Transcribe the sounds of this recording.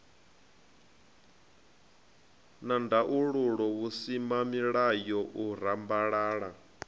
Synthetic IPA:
nandaʔuɺuɺɔβusimamiɺajɔʔuɾambaɺaːɺa

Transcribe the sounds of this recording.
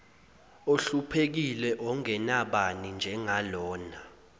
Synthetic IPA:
oɬupʰek̬ilɛʔɔŋɛnaɓanind͡ʒʱɛŋalɔːna

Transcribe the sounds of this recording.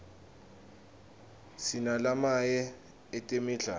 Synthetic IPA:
sinalamajɛ | ɛtʼemiɮa

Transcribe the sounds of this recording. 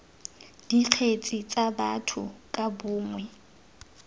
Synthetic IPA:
d̥iq͡χʰet͡sʼit͡sʼaba̰tʰʊ̰kʼabʊːŋwɛ

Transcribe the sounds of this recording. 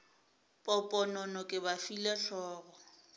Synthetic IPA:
pʼɔpʼɔnɔnɔkʼɪbafilɛɬɔːɣɔ

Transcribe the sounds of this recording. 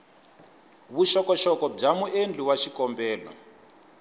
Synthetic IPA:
βuʃɔkɔʃɔkɔb͡ʐamuʔend͡ɮʱiwaʃikɔmbɛːlɔ̰

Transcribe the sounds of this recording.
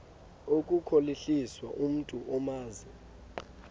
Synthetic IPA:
ok̬ʼukʰoliɬiswaʔum̩tʼuʔɔmaːzi

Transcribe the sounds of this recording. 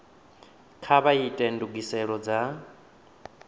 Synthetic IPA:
kʰaβaitʼɛnduɡisɛɺɔd͡za

